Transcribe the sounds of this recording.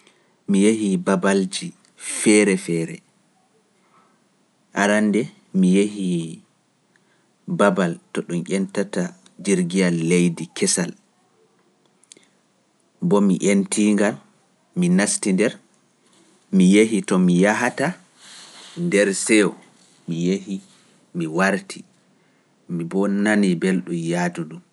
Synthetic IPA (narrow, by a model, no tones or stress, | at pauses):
mijehibabald͡ʒi | fɛɾɛfɛːɾɛ | ʔaɾandɛ | mijehi | babaltɔɗumʔʲɛntata | d͡ʒiɾɡijalːejdikʰɛsal | bɔmiʔentiŋɡal | minastindɛɾ | mijeɦitɔmijaɦata | ndɛɾsɛwɔ | mijehi | miwaɾtʰi | mibɔnanibelɗumjatuɗum